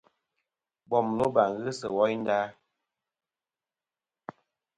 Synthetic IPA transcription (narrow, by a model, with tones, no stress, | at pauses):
bɔ˨m˨lo˦ba˨ŋ˨ɣɨ˦sə˨wɔ˦jn̩˦daː˦